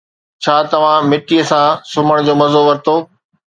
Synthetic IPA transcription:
t͡ɕʰaːt̪ɐʋ̤ãmɪʈiəsãsʊməɽ̃d͡ʑoːmɐzoʋɐɾɪt̪oː

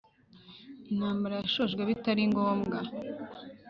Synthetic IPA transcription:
inhaːmbaɾajaʃoʒɡweβitaɾiŋɡoːmɡa

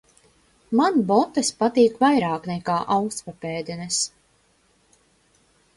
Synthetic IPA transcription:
manbɔt̪ːespat̪iːkvajɾaːknɛkaːʔawkst̪papɛːd̪ɛnɛs

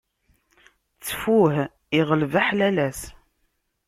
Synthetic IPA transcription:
t͡sːfuh | iʁəlvaħlælæs

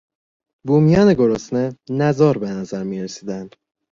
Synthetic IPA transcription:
buːmijɒːneɡo̞ɾosnenæzɒːɾbenæzæɾmiːɾesiːd̪ænd̪̥

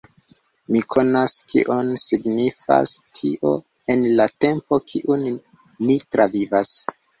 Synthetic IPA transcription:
mikʰo̞naskḭʔonsiɡnifa̰stʰiʔo̞ | e̞nlate̞mpo̞kʰiʔunː | itɾavivas

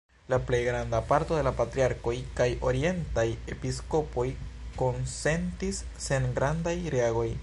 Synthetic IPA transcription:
laple̞jɡɾandapaɾto̞de̞lapatɾiaɾko̞jkajʔo̞ɾie̞ntaje̞pisko̞po̞jko̞nse̞ntisːe̞nɡɾandajɾeaɡo̞j

